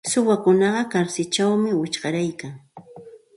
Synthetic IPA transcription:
sʊwakʊnɑɢɑkaɾsɪt͡ʃawmɪwɪt͡ʃɢɑɾajkaŋ

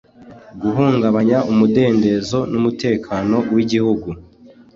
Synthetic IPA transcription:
ɡuɦuːŋɡaβaɲaʔumude̞ːnde̞zo̞numute̞ːkʰanowiɟihuɡu

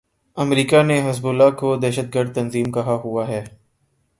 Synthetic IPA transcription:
ɐmɾiːkaneɦɐzbʊlːaːkod̪ɛːʃət̪̚ɡəɾd̪̚t̪ɐnziːmkɐɦaɦuaɦɛː

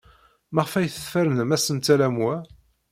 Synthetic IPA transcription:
maʁfæjθə̥θfæɾənəmæsənt̪ælæmwæ

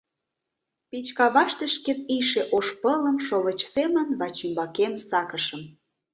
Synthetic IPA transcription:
pit͡ɕkɑβɑʃt̪ə̆ʃkeniʃeʔoʃpələ̆mʃoβət͡ɕsemənβɑt͡ɕimbɑkensɑkə̆ʃə̆m

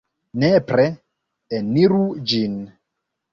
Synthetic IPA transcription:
nepɾe | eniɾud͡ʒin

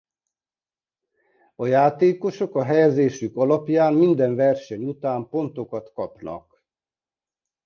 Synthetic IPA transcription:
ɒjaːt̪eːko̞ʃo̞kɒɦɛjɛzeːʃykɒlɒpjaːmmind̪ɛɱvɛrʃɛɲut̪aːmpo̞nt̪o̞kɒt̪kɒpnɒ̰k

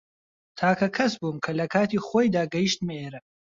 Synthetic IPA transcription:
t̪ʰaːkɐkʰɐsbuːmkʰɐlɐkʰaːt̪iːχoːjd̪aːɡɐjiʃt̪meːɾɐ

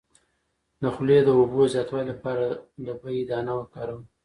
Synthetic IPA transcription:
d̪əxled̪əobozjɑt̪wɑllapɑɾad̪əbəjid̪ɑnawəkɑɾəm

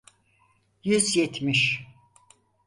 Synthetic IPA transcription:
jyzjet̪ʰmiʃ

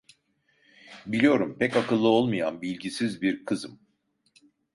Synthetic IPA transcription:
bilʲijo̞ɾumpʰɛcakɯlˠːɯo̞lˠmajanbilʲɟisizbiɾkʰɯzɯm

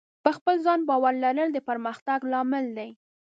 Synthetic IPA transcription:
pəxpəlzɑnbɑwaɾlaɾəld̪əpəɾməxt̪aɡlɑmɪld̪aj

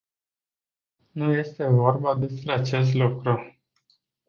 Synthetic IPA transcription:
nuje̞st̪e̞vo̞rbad̪e̞spɾe̞at͡ʃe̞s̬t̪lukɾu

